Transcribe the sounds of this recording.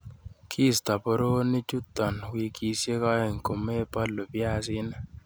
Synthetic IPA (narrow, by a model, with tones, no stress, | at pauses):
kʰiː˦st̪ɑ˨po˨ɾoː˦nːi˦t͡ʃu˦t̪ːɑ˨nwiki˧sje˦kɑe˨ŋko˨me˦pɑ˦lːo˨piasin